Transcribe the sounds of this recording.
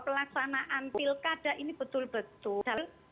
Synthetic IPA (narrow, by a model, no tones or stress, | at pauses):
pəlaksanaʔankilkaɖ̥a̤ʔinib̥ət̪ʊlb̥ə̤t̪ʊd̥al